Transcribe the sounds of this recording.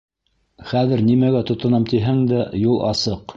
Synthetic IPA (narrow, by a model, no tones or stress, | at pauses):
χæðɘɾnimæɡæt̪ŏt̪ŏnɑmt̪iɦæŋd̪æjulˠʔɑ̰sɤq